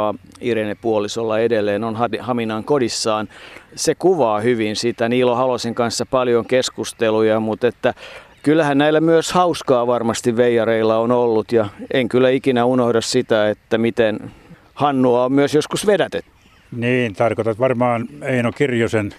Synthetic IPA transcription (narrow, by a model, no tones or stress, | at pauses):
ɑirenepuolisolːɑedelːˑeːnonhɑt̪ihɑminɑŋkodisːɑːnsekuʋɑːhyʋinsit̪æniːlːohɑloseŋkɑnsːɑpɑljoŋkeskust̪elujɑmut̪et̪ːækylːæhænnæilːˑæmyøshɑuskɑːʋɑrmɑst̪iʋʋeijɑreilːɑonolːut̪jɑeŋkylːˑæikinæunohdɑssit̪æet̪ːæmit̪en | hɑnːuɑommyøsjoskusʋedæt̪et̪ːy̥ | niːnt̪ɑrkot̪ɑt̪ʋɑrmɑːneinokirjosen